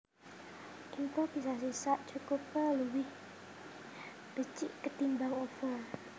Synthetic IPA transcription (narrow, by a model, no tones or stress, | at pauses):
ʔiŋkob̥isas̬isaʔ̚t͡ʃukopaluwɪh | b̥ət͡ʃiʔkət̪imbaŋofa